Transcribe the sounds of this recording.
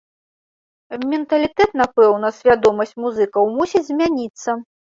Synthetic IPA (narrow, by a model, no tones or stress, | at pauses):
mʲɛnt̪ɐlʲit̪ɛt̪napɛwnɐsʲvʲad̪ɔmɐsʲt͡sʲmuzɨkɐwmusʲid͡zʲzʲmʲanʲit̪sːɐ